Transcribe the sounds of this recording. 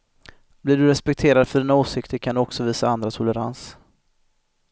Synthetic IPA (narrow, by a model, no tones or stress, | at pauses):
blɪɖɵɾɛspɛk̚t̪ʰeːɾad̪fœɖiːnaoːsɪkt̪ʰəɾkʰand̪ɵɔksɔviːsaand̪ɾat̪ʰʊlɛɾa̰ns